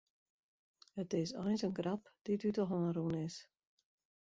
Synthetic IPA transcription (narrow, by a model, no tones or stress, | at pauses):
ətɪsɔjnsənɡrapd̥idytɔxɔɾunɪs